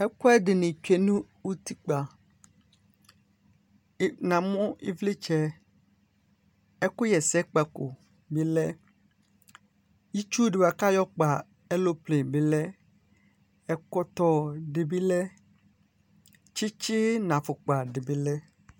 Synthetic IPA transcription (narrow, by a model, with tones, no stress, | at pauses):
ɛ˦kɔ˦ɛ˦ɖɪ˨nɪ̃˨t͡ʃᶣe˦nũ˦ | wu˦t̪i˦k͡pa˨˦ | nã˨mɔ̃˦i˦vli˦t͡ʃɛ˦ | ɛ˦kʊ˦jɛ˨sɛ˦k͡pa˨ko˨ | bi˦lɛ˦ | ji˦t͡ʃu˦ɖe˨wa˨ka˦jɔ˦k͡pa˨ | ɛ˦lo˦ple˨be˨lɛ˦ | ɛ˨kɔ˦t̪ɔ˦ɖɪ˨bi˦lɛ˦ | t͡ʃi˦t͡ʃɪ˦nã˨fʊ˨k͡pa˨ɖɪ˨bi˦lɛ˦